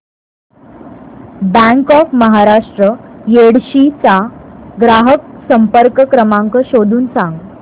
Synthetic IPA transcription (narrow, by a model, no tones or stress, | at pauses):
bæ̃ŋkɔfməɦaɾaʂʈɾəjeɽɕit͡saɡɾaɦək̚səmpəɾkəkɾəmãŋkəɕod̪ʱuːnsãŋɡ